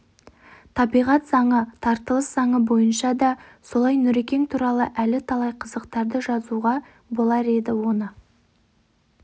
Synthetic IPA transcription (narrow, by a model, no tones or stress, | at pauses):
t̪ʰɑbijʁɑt̪zɑɴət̪ʰɑɾt̪əlˠəszɑɴəbo̞jənʃɑd̪ɑso̞lˠɑjnʏɾe̞kʲe̞ŋt̪ʰuɾɑlˠəʔælɪt̪ʰɑlˠɑjqʰəzəqt̪ɑɾd̪əʒɑzuʁɑ | bo̞lˠɑɾe̞d̪ɪwo̞nə